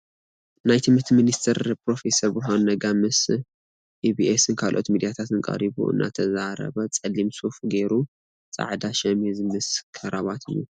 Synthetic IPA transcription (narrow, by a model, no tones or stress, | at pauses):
najt̪ʰɨmɨt̪ʰminist̪ʰɐɾpɾo̞fe̞sɐɾbɨɦonːɐɡamɨs | ʔibiʔesɨnkʰalʔot̪mid̪ijat̪ʰat̪ɨnŋkʼɐ̰ɾiβṵʔɨ̰nːʔa̰t̪ʰɐzaɾɐ̰βɐt͡sʼɐlːimsufɡeɾu | t͡sʼa̰ʕd̪aʃɛmhɨzmɨskʰɨɾaβat̪ʰɨ̰jːu